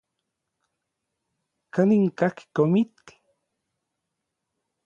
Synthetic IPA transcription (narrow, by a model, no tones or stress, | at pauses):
kaniŋkaki̥komit̪ːi̥